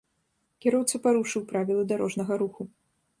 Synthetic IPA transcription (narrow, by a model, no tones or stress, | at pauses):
kʲiɾɔwt̪sɨpaɾuʂɨwpɾavʲilˠɐd̪aɾɔʐnɐɣɐɾuxu